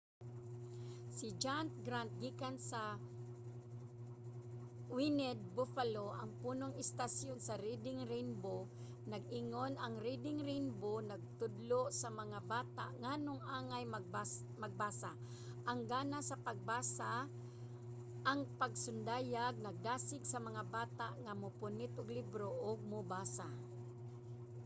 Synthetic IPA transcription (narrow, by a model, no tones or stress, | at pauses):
sɪd͡ʒant̪̚ɡɾant̪̚ɡiːkansɐ | winɛd̪̚bofaloʔɐŋpuːnoŋɪst̪asjonsɐɾid̪ɪŋɾinbo | nɐɡ̚ɪŋonɐŋɾid̪ɪŋɾinbonɐɡ̚t̪ʊd̪loʔsamɐŋabaːt̪a̰ʔŋanʊŋʔaːŋajm | maɡ̚baːsa | ʔaŋɡaːnasɐpaɡ̚basa | ʔaŋpaɡsʊnd̪aːjaɡ̚nɐɡ̚d̪aːsɪɡsɐmɐŋabaːt̪aʔŋamʊpʊnɪt̪ʔʊɡlibɾoʔʊɡ̚mʊbaːsa